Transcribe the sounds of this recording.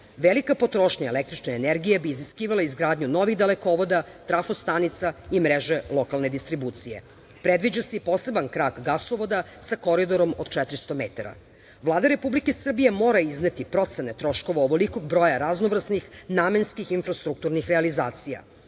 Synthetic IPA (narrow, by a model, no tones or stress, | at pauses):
ʋelikapo̞t̪ɾo̞ʃɲaelek̚t̪ɾit͡ʃneeneɾɡijebiːziskiːʋalaizɡɾaːd̪ɲuno̞ʋiɣd̪elekoʋo̞d̪at̪ɾafost̪anit̪saimɾeʒe̞lˠo̞kalˠned̪ist̪ɾibuːt̪sije̞̰ | pɾed̪ʋid͡ʑaseipo̞ːse̞bankɾaɡɡasoʋo̞d̪asako̞ɾid̪o̞ɾo̞mod̪̥t͡ʃɛt̪ɾist̪o̞met̪aɾa̰ | ʋlˠaːd̪aɾepublikesr̩bijemoːɾaiznet̪ipɾo̞t̪se̞net̪ɾo̞ʃko̞ʋaoʋo̞liko̞ɡ̚bɾo̞jaɾaznoʋr̩snixnamenskixinfɾast̪ɾuk̚t̪uɾnixɾealiza̰ːt̪sija̰